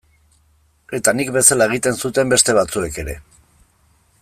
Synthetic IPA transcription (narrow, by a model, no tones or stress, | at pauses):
e̞t̪anikbe̞salae̞ɣ̞it̪e̞nsut̪e̞mbe̞st̪e̞β̞at͡sue̞ke̞ɾe̞